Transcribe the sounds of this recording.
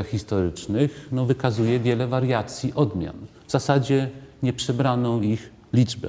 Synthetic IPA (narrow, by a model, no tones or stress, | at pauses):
axːʲist̪ɔɾɘt͡ʂnɘxnɔvɘkazujɛvʲjɛlɛvaɾjat̪sʲjiʔɔd̪mʲja̰nvz̥asad͡ʑɛɲɛpʂɛbɾanɔ̃w̃ix | lʲid͡ʐbɛ̰